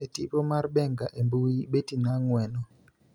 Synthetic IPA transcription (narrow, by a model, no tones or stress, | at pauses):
etipɔmarbɛŋɡaʔembuiɓetinaŋwɛnɔ